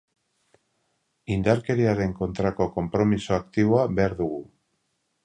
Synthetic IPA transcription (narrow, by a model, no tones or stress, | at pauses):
ind̪aɾke̞ɾiaɾe̞ŋko̞nt̪ɾako̞ko̞mpɾo̞misoakt̪iβoaβe̞aɾðuɣu